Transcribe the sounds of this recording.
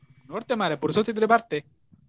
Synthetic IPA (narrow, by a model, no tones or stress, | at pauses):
unoɾt̪emaɾepuɾsot̪sid̪ɾepaɾt̪e